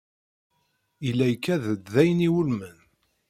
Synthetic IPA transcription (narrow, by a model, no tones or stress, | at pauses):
ilːæjkːæðəd̪ðæjniwəlmən